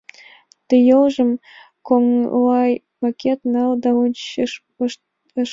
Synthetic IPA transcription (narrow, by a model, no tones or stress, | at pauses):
t̪ɨ̆jɤlʒə̆m | koŋlɑj | mɑkʲet̪nɑld̪ɑunɕ